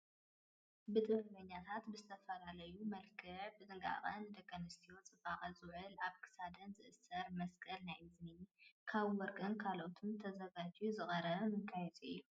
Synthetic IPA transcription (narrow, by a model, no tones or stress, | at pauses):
bɨt̪ʼɨhɨlɐɲːat̪ʰat̪bɨzɨt̪ʰɐfɐlalɐjumɐlkʰɨʕbɨzɨŋɡʼa̰χʼɐnɨd̪ɐkʼːɐnɐst̪ʰijo̞t͡sʼɨbʼaχʼɐzuʕɨlaβkʰɨ̥sad̪ɐnzɨʔɨsɐɾmɐskʼʰɐlnajɨzmikʰaβwɔɾkʼɨnkʰalot̪ʰumt̪ʰɐzɐɡat͡ʃʼuzɨχʼɐɾɐβmɨkʰːajɛzʼijːu